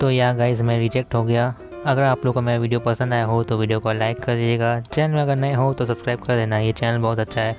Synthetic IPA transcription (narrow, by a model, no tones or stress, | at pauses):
t̪ojaɡaːɪzmẽɾɪːd͡ʒek̚ʈɦoɡɐjaː | ɐɡəɾaːploːɡ̚komeːɾaʋiːɖijopɐsə̃nd̪aːjaɦot̪oʋiːɖijokolaːɪkːɐɾd̪ieːɡaːt͡ʃɛːnəlmẽɐɡəɾnɐĩɦot̪os̬ɐbskɾaːɪbkɐɾd̪eːnaɦjet͡ʃɛːnəlbɐɦʊt̪ɐtːʃʰaɦɛː